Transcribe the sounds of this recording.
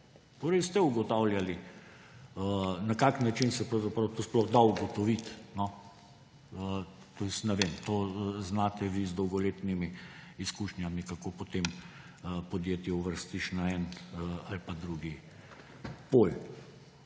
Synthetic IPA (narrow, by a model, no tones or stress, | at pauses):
t̪oːɾəɪst̪ɛuɡɔt̪awljali | ənakaknat͡ʃinsɛpɾawzapɾawt̪osplɔxd̪auɡɔt̪ɔʋit̪nɔ | ə | t̪osnɛʋemt̪oːznaːt̪ɛʋizd̪ɔwɡɔleːt̪nimiːskuʃnʲjamikakopot̪em | əpɔd̪jeːt̪jɛuʋəɾst̪iʃnaɛnalipad̪ɾuɡi | pol